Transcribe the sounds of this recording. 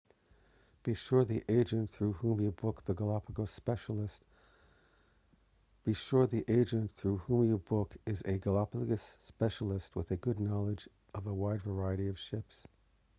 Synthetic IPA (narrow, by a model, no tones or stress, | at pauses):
b̥iʃʊɹðiʔeɪd͡ʒɨ̃nθɹʉhũmjɨbʊk̚ðəɡəlɑpʰəɡəspɛʃl̩ˠəst | b̥iʃʊɹðiʔeɪd͡ʒɨ̃nθɹʉhũmjɨbʊkɪzɨɡəlɑpɡɨsːpɛʃl̩ˠəst̚wəðɨɡʊdⁿnɑlˠəd͡ʒ | ʔʌvəwaɪdvə˞aɪɨɾiʌv̥ʃɪps